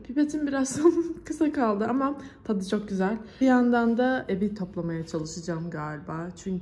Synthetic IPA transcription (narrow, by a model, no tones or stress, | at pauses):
pʰipet̪ʰinbiɾazsonkʰɯsakalˠd̪ɯʔamat̪ʰad̪ɯt͡ʃʰo̞k̚ɟyzælʲjand̪and̪aebit̪ʰo̞plˠamajat͡ʃʰalˠɯʃɯd͡ʒaːmɡaːlʲbaːt͡ʃʰyɲcʰ